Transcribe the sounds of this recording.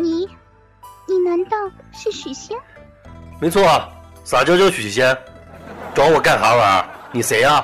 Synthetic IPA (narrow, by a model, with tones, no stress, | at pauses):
ni˨˩ | ni˨˩na˧˥nt̪ɑ˥˧ʊʂɻ̩˥˩ɕy˨˩ɕjɛ˥n | me˧˥ɪt͡sʰwɔ˥˩a˩sa˨˩t͡ɕjo˥ʊt͡ɕjo˥˩ʊɕy˨˩˨ɕjɛ˥n | ʈ͡ʂwɑ˧˥ʊwɔ˨˩ka˥˩nxa˧˥wə˨˩˦ni˨˩se˧˥ɪa˧